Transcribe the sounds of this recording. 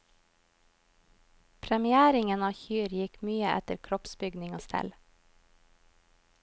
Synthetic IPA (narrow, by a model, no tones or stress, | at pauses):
pʰɾɛmɪæːɾɪŋənɑːçyːɾjɪkmyːəʔɛ̰t̪əɾkʰɾɔpsbʏɡnɪŋoːst̪ʰɛ̰l